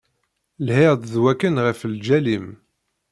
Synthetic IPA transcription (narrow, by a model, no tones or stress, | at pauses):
lheʁd̪ðwækːənʁəfld͡ʒælim